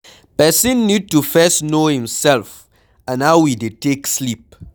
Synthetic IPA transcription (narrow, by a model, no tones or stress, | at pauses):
pɛsĩnːud̚tufɛsnohĩmsɛlf | ãnawidetekslip̚